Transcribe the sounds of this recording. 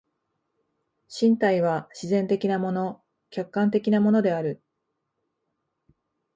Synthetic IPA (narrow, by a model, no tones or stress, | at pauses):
ɕĩnt̪aiβ̞aɕizẽ̞nt̪e̞kʲinamo̞no̞ | kʲakːãnt̪e̞kʲinamo̞no̞d̪e̞aɾɯ̟